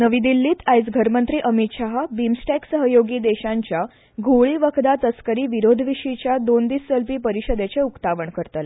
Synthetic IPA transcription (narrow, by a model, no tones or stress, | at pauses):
nəʋid̪ilːiːt̪ajsɡʱəɾmənt̪ɾiːʔəmit̪ɕaɦabimsʈæksəɦəjoɡiːd̪eɕãɲt͡ɕja | ɡʱowɭiːʋəkʰd̪at̪əskəɾiːʋiɾod̪ʱʋiɕit͡ɕjad̪ond̪iːsːəlpiːpəɾiɕəd̪et͡seukt̪aʋəɳkəɾt̪al